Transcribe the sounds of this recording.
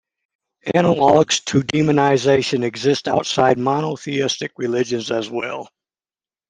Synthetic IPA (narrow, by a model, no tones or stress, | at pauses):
ænəlɔɡz̥tʰɨdimɨnəɪzeɪʃɨ̃nɨɡzɪstaʊtsaɪd̚mɑnəθiɪstɨkɹɨlɪd͡ʒɨ̃nzɨzwɛ̰lˠ